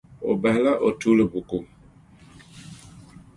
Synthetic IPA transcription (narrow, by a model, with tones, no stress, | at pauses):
o̰˨ba˨hla˦ʔo˨tu˦lə˨bu˨ku˨